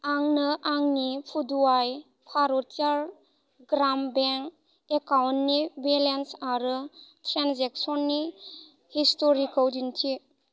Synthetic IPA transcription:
aŋnɯʔaŋnipʰuduaj | pʰaɾɔtʰiaɾ | ɡɾambeŋk | ekawntnibelensaɾɯtʰɾanzek̚sɔnːi | histoɾikawdintʰi

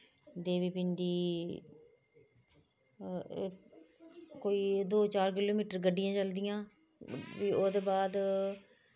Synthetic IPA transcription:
d̪eːʋiːpɪɳɖiː | koːiːd̪oːt͡ʃaːɾkɪloːmiːʈəɾɡəɖːɪjãːt͡ʃəld̪ɪjãː | ʋiːoːd̪eːbaːd̪

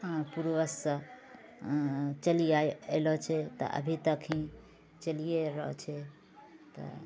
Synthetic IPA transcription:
ãpuɾʋəsə̃ | t͡ʃəliajelɔt͡ʃʰɛt̪ɔ̰ʔə̰bʱit̪əkʰĩ | t͡ʃəlijeɾəɦt͡ʃʰɛ | t̪ɔ̰

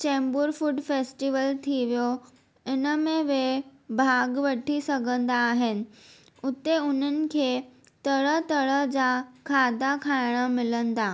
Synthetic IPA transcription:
t͡ɕɛ̃ːmbʊɾfʊɖfeːsʈiʋəlt̪ʰiʋijo | ɪnə̆mẽʋebʱaːɡʋɐʈʰisɐɡʱə̃nd̪aːɦɪnɪ̆ | ʊt̪eʊn̤ənɪ̆kʰeː | t̪ɐɽət̪ɐɽəɦd͡ʑakʰaːd̪akʰaːɪɽ̃ə̆mɪlə̃nd̪aː

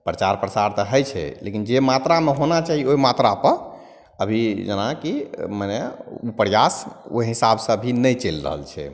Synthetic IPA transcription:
pɾət͡ʃaɾpɾəsaɾt̪ɔɦəjt͡ʃʰɛ̰lḛkind͡ʒemat̪ɾameɦonat͡ʃaɦioimat̪ɾapəɾ | əbʱid͡ʒənakiməneupəɾjaso̰ɦisabsəbʱinəjt͡ʃelɾə̰ɦə̰lt͡ʃʰɛ̰

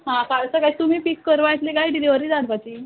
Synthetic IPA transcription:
ɦãkaɭsəkajt̪um̤iːpikːəɾʋajt̪leɡajʈileʋəɾiːd͡zat̪pat͡ɕiː

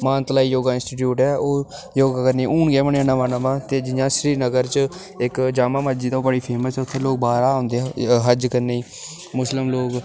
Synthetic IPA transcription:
mãːnt̪laːiːjoːɡaːɪ̃nsʈiːʈ̬juːʈɛːoː | joːɡaːkəɾneːuːɳɡɛːməɳaːnãːʋaːnãːʋãːt̪eːd͡ʒɪjãːʃɾiːnəɡəɾt͡ʃ | ɪkd͡ʒaːmãːmad͡ʒiːd̪aːbəɽiːpʰeːməsɛːʊt̪ʰːẽːloːk̚baːɾaːãːnd̪eːɦɛ̃ɦəd͡ʒkəɾneiː | mʊslɪmloːɡ

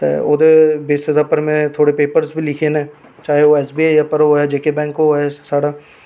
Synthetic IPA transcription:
t̪ḛo̰ːd̪ebeːsɪzaːpəɾmẽt̪ʰoːɽepeːpəɾsbʱilɪkʰenẽː | t͡ʃaːɦeoɛːsbiːajapəɾoɦɛd͡ʒeːkebɛ̃ːŋkoɦɛsaːɽaː

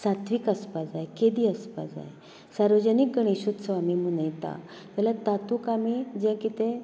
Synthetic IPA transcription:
sat̪ʰʋiːkəspad͡zajeked̪iəspa̰d͡za̰j | saɾʋəd͡ʑənikːəɳiɕud̪səʋamimunəjt̪a̰ | t̪ɛlat̪at̪ukamid͡ʑɛ̃kit̪ẽ

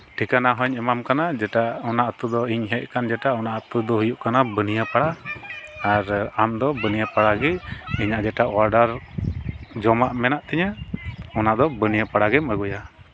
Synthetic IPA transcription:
ʈʰikanaɦɔɲɛmamkanad͡ʒɛʈaɔnaʔət̪ud̪ɔiɲɦɛʔ̚kand͡ʒɛʈaɔnaʔət̪ud̪ɔɦujuʔkanabənijapaɽaː | ɾamd̪ɔbənijapaɽaɡɛiɲaʔd͡ʒɛʈaʔwaɾɖaɾ | d͡ʒɔmaʔmɛnaʔt̪ɛɲaɔnaʔd̪ɔbənijapaɽaɡɛməɡɔja

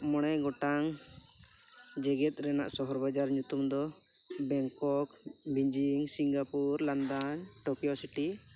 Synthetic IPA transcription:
mɔɽ̃ɛɡɔʈaŋ | d͡ʒɛɡɛt̪̚ˀɾɛna̰ʔsɔɦɔɾbad͡ʒaɾɲut̪umd̪ɔ | bɛŋkɔk | biɲd͡ʒiŋsiŋɡapuɾland̪an | ʈɔkijɔsiʈi

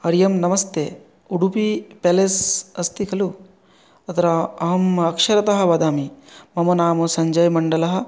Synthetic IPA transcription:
ɐɾjɐmnɐmɐst̪eː | uɽupipelesɐst̪ikʰɐlu | ɐt̪ɾaɐɦɐmɐkʃɐɾɐt̪ɐɦɐ̆ʋɐd̪aːmimɐmɐnaːmɐsɐɲd͡ʒɐjmɐɳɖɐlɐɦɐ̆

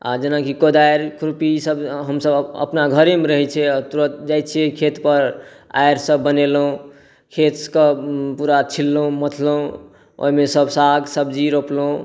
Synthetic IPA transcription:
a̰d͡ʒenakikod̪ajɾkɾupisəbɦəmsəbə̰pnaɡʱəɾemeɾəɦɛt͡ʃʰɛat̪uɾət̪̚d͡ʒajt̪̚t͡ʃʰɛkʰet̪pəɾ | a̰jɾsəbːənelɦũ | kʰet̪kəpuɾat͡ʃʰilːũmət̪ʰləɦũ | o̰imesəbsaɡsəbd͡ʒiɾoploũ

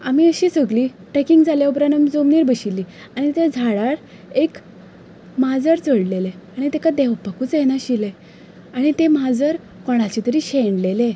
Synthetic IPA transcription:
amiəɕiːsəɡliː | ʈekiŋɡd͡zaleubɾanamid͡zomniːɾbəɕilːiː | aɽ̃it̪ed͡zʱaɽaɽ | ek | mad͡zəɾt͡səɽleleaɽ̃it̪ɛkad̪ɛʋpəkuːt͡sjɛnaɕile | aɽ̃it̪emad͡zəɾ | kɔɽ̃at͡ɕit̪əɾiːɕeɳɖlele

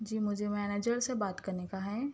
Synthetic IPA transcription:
d͡ʒiːmʊd͡ʒʱemɛːneːd͡ʒəɾsebaːt̪kɐɾnekaɦɛ̃ː

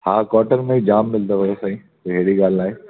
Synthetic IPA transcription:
haːkɔːʈəɾmẽid͡ʑaːmːɪld̪oɦoesaĩː | oɦeːɽiɡaːlaːeː

